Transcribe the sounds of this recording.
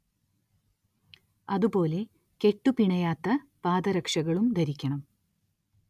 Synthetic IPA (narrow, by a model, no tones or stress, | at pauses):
ɐðupo̞ːle̞ | ke̞ʈːupiɳɐjaːt̪ːɐpaːd̪ɐɾɐkʂɐɣɐɭumd̪ɐɾikʲːɐɳɐm